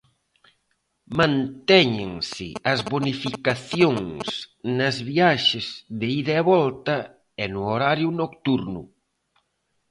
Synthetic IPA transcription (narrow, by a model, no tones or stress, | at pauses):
mãnt̪ɛɲeŋsɪ̰ɐzβonifikaθjoŋsnɐzβiaʃɪzðɪiðeɛβɔlt̪ɐ | ɛnʊoɾaɾjʊnokt̪uɾnʊ̰